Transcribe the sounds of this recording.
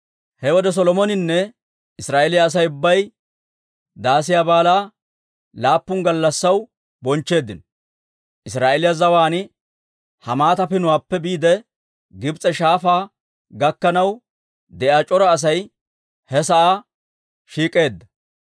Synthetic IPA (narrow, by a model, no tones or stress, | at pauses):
hɛwɔd̪ɛs̬ɔlɔmɔnɪnːɛ | ɪsɾaːʔelɪjaːs̬ɐjʊbːɐj | d̪aːsɪjaːbaːlaː | laːpːʊŋɡɐlːɐsːɐw | bɔnt͡ʃːe̞ːd̪ːɪnɔ | ʔɪsɾaːʔelɪjazɐwaːnɪ | hɐmaːt̪ɐpɪnʊwaːpːɛbiːd̪ɛ | ɡɪbt͡sʼɛʃaːfaː | ɡɐkːɐnɐw | d̪ɛʔaːt͡ʃʼɔɾɐːs̬ɐj | hɛsɐʔa | ʃiːkʼe̞ːd̪ːɐ